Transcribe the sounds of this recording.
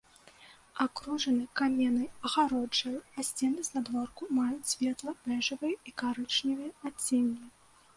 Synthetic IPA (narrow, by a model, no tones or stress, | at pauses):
akɾɔʐɐnɨkamʲɛnɐjɐɣaɾɔd͡ʐɐjasʲt͡sʲɛnɨzʲnad̪vɔrkumajut͡sʲsʲvʲɛt̪lˠɐpɛʐɨvɨjɛikaɾɨt͡ʂnʲivɨjɛat͡sʲːɛnʲːi